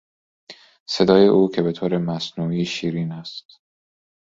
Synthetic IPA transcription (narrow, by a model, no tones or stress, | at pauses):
se̞d̪ɒːjeʔuːcʰe̞be̞t̪ʰoːɾemæsnuːiʃiːɾiːnæst̪